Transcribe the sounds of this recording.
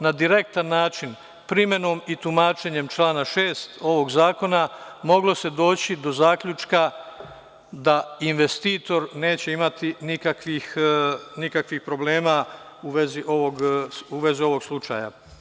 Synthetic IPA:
nad̪iɾe̞k̚t̪anːaːt͡ʃin | pɾime̞no̞ːmit̪umaːt͡ʃeɲe̞mt͡ʃlaːnaʃe̞ːst̪o̞ʋo̞ɡzaːko̞namo̞ɡlo̞se̞d̪o̞ːt͡ɕid̪o̞zaːkʎut͡ʃka | d̪ainʋe̞st̪iːt̪o̞ɾne̞ːt͡ɕe̞imat̪inikakʋixnikakʋixpɾo̞bleːma | uʋe̞ziʔo̞ʋo̞ɡuʋe̞zio̞ʋo̞ɡslˠut͡ʃa̰ja̰

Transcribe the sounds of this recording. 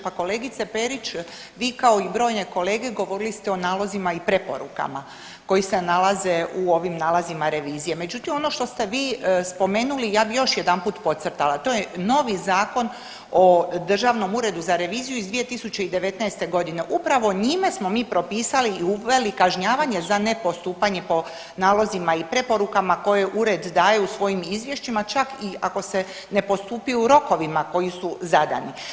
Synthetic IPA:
pako̞le̞ːɡit̪sepe̞ɾit͡ʃ | ʋiːkao̞ibɾo̞ːjne̞ko̞le̞ːɡe̞ɡo̞ʋo̞ɾilist̪eo̞naːlˠo̞zimaipɾe̞po̞̰ɾṵka̰ma | ko̞jise̞nalˠaze̞uoʋimnaːlˠazimaɾe̞ʋiːzije̞me̞d͡ʒut̪imo̞no̞ʃt̪o̞st̪e̞ʋiːspo̞me̞ːnulijaːbijo̞ʃjed̪ampuːt̪po̞t̪sərɾt̪alat̪o̞jeno̞ʋizaːko̞n | o̞d̪r̩ʒaːʋno̞muɾe̞d̪uzaɾe̞ʋiːzijuizd̪ʋije̞t̪isut͡ɕe̞id̪e̞ʋe̞t̪naest̪e̞ɡo̞d̪ine̞ʔupɾaʋo̞ɲimesmo̞miːpɾo̞piːsaliːuʋe̞likaʒɲaːʋaɲe̞zane̞po̞st̪uːpaɲe̞po̞ | naːlˠo̞zimaipɾe̞po̞ɾukamako̞jeʔuɾe̞d̪ːaːjeusʋo̞jimizʋje̞ʃt͡ɕimat͡ʃakiako̞se̞ | ne̞po̞st̪uːpiuɾo̞ko̞ʋimako̞jisuzad̪a̰ni

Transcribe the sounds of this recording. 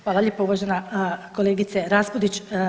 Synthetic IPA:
xʋaːlˠalʎʲepauʋaːʒenako̞lˠeːɡit̪seɾaspod̪it͡ɕ

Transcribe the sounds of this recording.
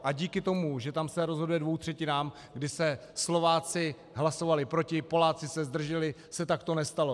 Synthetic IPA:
ʔaɟiːkɪt̪o̞muʒɛt̪amsɛɾo̞zɦo̞dujɛdvo̞wt̪r̥ɛcɪnaːm | ɡdɪsɛslo̞vaːt͡sɪ | ɦlaso̞valɪpɾo̞cɪpo̞laːt͡sɪsɛzd̪r̩ʒɛlɪ | sɛt̪akt̪o̞nɛst̪alo̞

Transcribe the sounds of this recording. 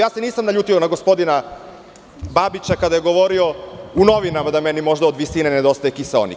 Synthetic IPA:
jaːseniːsamnaʎuːt̪io̞naɡo̞spo̞d̪ina | babit͡ʃakad̪ajeɡo̞ʋo̞ɾio̞uno̞ʋinamad̪amenimo̞ʒd̪aod̪ʋisinened̪o̞st̪ajekisao̰nḭ

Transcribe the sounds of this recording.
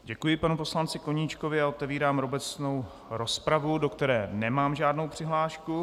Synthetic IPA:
ɟɛkujɪpanupo̞slant͡sɪko̞ɲiːt͡ʃko̞vɪaot̪ɛviːɾaːmɾo̞bɛt͡sno̞w | ɾo̞spɾavudo̞kt̪ɛɾɛːnɛmaːmʒaːdno̞wpr̝̥ɪɦlaːʃku

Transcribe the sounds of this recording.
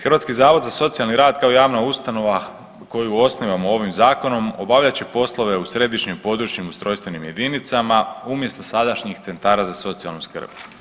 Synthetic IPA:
xər̩ʋat̪skizaːʋo̞d̪zaso̞t̪sialniɾaːd̪kaojaːʋnaust̪ano̞ʋa | ko̞juo̞sniʋamoo̞ʋimzaːko̞no̞mo̞baʋʎat͡ɕe̞po̞slˠo̞ʋe̞usɾe̞d̪iʃɲimpo̞d̪ɾut͡ʃɲimust̪ɾo̞jst̪ʋe̞nimje̞d̪init̪samaumje̞st̪o̞sad̪aʃɲixt̪se̞nt̪aːɾazaso̞t̪sialˠnuskə̰r̩b̥

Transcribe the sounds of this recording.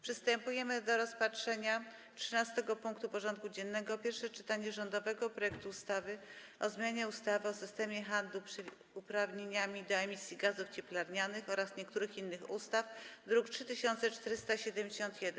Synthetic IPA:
pʂɘst̪ɛmpujɛmɘd̪ɔɾɔspatʂɛɲa | tʂɘnast̪ɛɡɔpuŋkt̪upɔʐɔnt̪̚kud͡ʑɛnːɛɡɔpʲjɛɾfʂɛt͡ʂɘt̪aɲɛʐɔnd̪ɔvɛɡɔpɾɔjɛk̚t̪uːst̪avɘ | ʔɔzmʲjaɲɛust̪avɘɔsɘst̪ɛmʲjɛxand̪lupʂɛ | upɾavɲeɲamʲid̪ɔɛmʲisʲjiɡazuft͡ɕɛplaɾɲanɘxɔɾasɲɛkt̪uɾɘxinːɘxust̪afd̪ɾuktʂɘt̪ɘɕɔnt̪sɛt͡ʂt̪ɛɾɘst̪aɕɛd̪ɛmʲd͡ʑeɕɔnt̪jɛd̪ɛn

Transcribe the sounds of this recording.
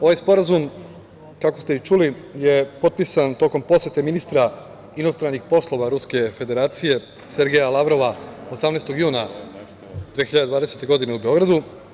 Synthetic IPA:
o̞ʋajspo̞ɾazum | kako̞st̪e̞it͡ʃuli | je̞po̞t̪̚pisant̪o̞ko̞mpo̞sje̞t̪e̞minist̪ɾa | inost̪ɾanːixpo̞slˠo̞ʋaɾuske̞fe̞d̪e̞ɾaːt̪sije̞ | se̞ɾɡejalˠaʋɾo̞ʋaosamnest̪o̞ɡjuːna | d̪vʋexiʎad̪ed̪ʋaːd̪e̞se̞t̪e̞ɡo̞d̪ine̞ube̞o̞ɡɾad̪u

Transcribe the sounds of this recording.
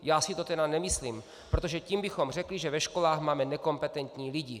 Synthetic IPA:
jaːsɪt̪ot̪ɛdanɛmɪsliːm | pɾot̪o̞ʒɛcimbɪxo̞mr̝ɛkliʒɛvɛʃko̞laːxmaːmɛnɛko̞mpɛt̪ɛnt̪ɲiːlɪɟɪ

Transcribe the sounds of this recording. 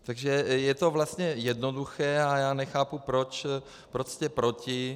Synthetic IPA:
t̪aɡʒɛjɛt̪o̞vlast̪ɲɛjɛdnoduxɛːajaːnɛxaːpupɾot͡ʃ | pɾoscɛpɾo̞cɪ

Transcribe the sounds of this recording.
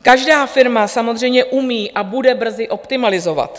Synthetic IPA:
kaʒdaːfɪɾmasamo̞zr̝ɛjmɲɛʔumiːʔabudɛbr̩zɪʔo̞pt̪ɪmalɪzo̞va̰t̪

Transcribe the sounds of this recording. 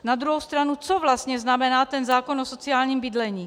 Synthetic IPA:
nad̪ɾuɦowst̪ɾanut͡sovlast̪ɲɛznamɛnaːt̪ɛnzaːkonʔoso̞t͡sɪaːlɲiːmbɪdlɛɲiː

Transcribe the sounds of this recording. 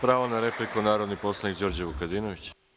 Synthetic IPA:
pɾaːʋonaɾeplikunaːɾo̞d̪nipo̞slˠanikd͡ʑo̞ːɾd͡ʑeʋukad̪iːnoʋit͡ɕ

